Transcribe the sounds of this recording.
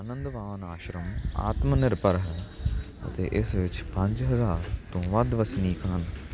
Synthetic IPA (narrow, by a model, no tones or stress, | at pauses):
ənə̃nd̪ʋaːʋnaːʃɾəma̰ːt̪mənɪɾpəɾɦɛ | ə̰t̪eːʔɪsʋɪt͡ʃpə̃ɲd͡ʒɦəzaːɾt̪õːʋɐd̪ʋəsniːkɦən